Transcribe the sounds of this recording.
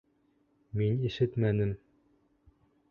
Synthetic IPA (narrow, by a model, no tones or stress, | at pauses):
miniʃɘt̪mænɘm